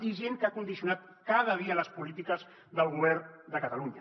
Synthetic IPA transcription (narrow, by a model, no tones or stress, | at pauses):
iʒeŋkakund̪isiunat̪̚ | kaðəðiələspulit̪ikəz | ðəlˠɣuβɛɾnd̪əkət̪aluɲa